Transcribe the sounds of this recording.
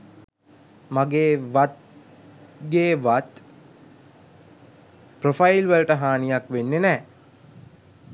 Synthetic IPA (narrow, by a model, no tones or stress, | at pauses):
maɡeːʋat̪̚ | ɡeːʋat̪ | profajilʋələʈəɦaːnijakʋenːenɛː